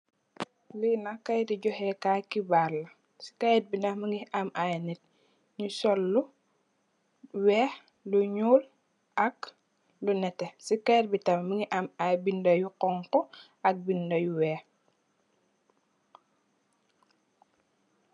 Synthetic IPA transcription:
linakajdiɟɔhekaːkibaːɾlɐ | si̥kaɛt̚binaməŋɡiamajnit̚ | ɲusɔlːu | wɛːh | luɲuːl | ɐk | lunɛtesikajt̚bitammiŋɡiʔamajbindojuqɔŋkɔ | ɐk̚bindɐjuwɛːh

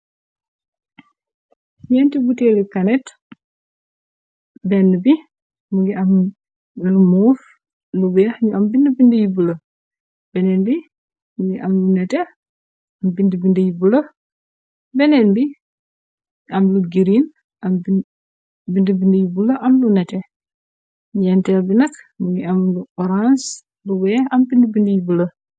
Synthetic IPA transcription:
jɛntibutɛlikɐnɛt | bɛnːəbi | muɡiɐm | lumɔːf | lubɛjɐhɲuɐmbindəbindəjibulɐ | bɛnɛnbi | muɡiʔɐmlunɛtɛ | ɐmbindəbindəjibulɐ | bɛnɛnbi | ʔɐmluɡiɾin | ʔɐmbi | bindəbindəjibulɐʔɐmlunɛtɛ | ɲɛntɛlbinɐk | muɡiɐmluɔɾans | luwɛːhɐmbindəbindəjibulə

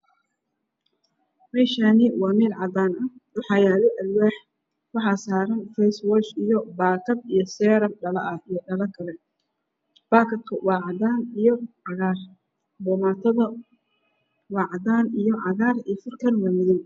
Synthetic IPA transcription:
mɛːʃanɪwɑːmɛːlʕɑd̪aːnɐwɑħɑjaːlɛʔɐlwaːħ | wɑħɑsaːɾɐnfɛswɔt͡ʃijɔbaːkʰɐb̚ijɞsɛːɾɐmɖɐlɐ̰ʔɐijɔɖɐlɐkʰɐlɛ | b̥aːkʰɐbkʰɐwɑːʕɑd̪aːnijɔʕɑɣaːr | bɔːmaːt̪ʰɐðɐ | wɑːʕɑd̪aːnijɔʕɑɣaːriːfʊrkʰɐnwaːmɪðɪw

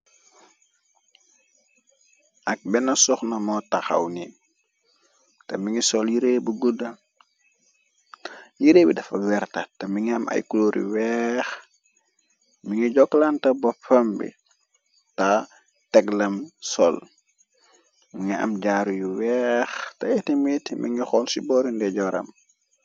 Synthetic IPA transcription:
ʔɐk̚bɛnɐsɔxnɐmɔtɐxa̰wni | tɐmiŋisɔljiɾeːbuɡudɐ | jiɾeːbidɐfɐwɛɾtɐtɐmiŋiɐmʔɐ̰jkuloɾḭwɛːx | miŋiɟɔkːlantɐbɔpʰːɐmbḭ | ta | tɛɡlɐmsɔ̰l | miŋiɐ̰mɟaːɾujuwɛxtɐjɛtimitmḭŋixɔlsibɔːɾindɛɟɔɾɐ̰m

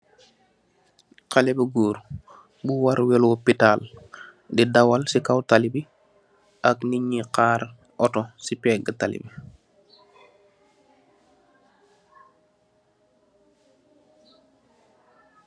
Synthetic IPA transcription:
qalɛbəɡuːɾ | buwaɾwɛlwɔpitaːl | didawalsikawtalibi | ʔakniɲːiqaːɾ | ʔɔtɔsipɛːɡətalḭbi

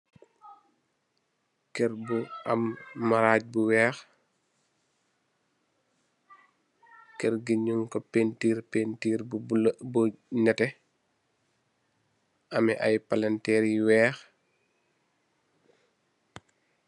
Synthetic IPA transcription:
kɛɾbuɐ̰mːaɾaːc̚buwɛːx | kɛɾɡiɲuŋkɔpeːntiːɾpeːntiːɾbuɲɐtɛ | ʔɐmɛ̰ʔajpalɐntɛːɾiwɛːx

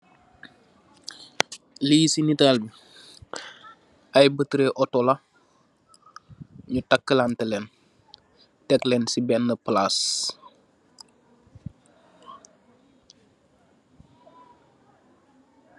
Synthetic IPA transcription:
lijsinitaːlbi | ajbətɾeʔɔtɔla | ɲutakːəlantəlɛn | tɛklɛnsibɛnːəplaːs

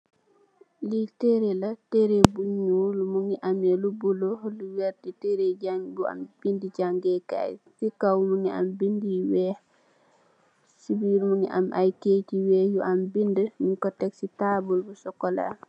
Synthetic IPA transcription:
liteɾelateɾebuɲulumuŋiʔamelubulohluwɛɾditeɾed͡ʒaŋjua̰mb̥indiɟaŋɡɛka̰jfikawumuŋia̰mbindiwɛh | sibilumuŋiʔa̰mʔa̰jkeːtiwɛːhjuʔambindəminkɔtɛksitaːbulbusɔkːɔla̰

